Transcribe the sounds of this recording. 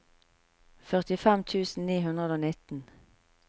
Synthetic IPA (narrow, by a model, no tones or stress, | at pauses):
fœʁt̪ɪfɛmt̪ʰʉːsn̩niːɦʉnʁəd̪oːnɪt̪n̩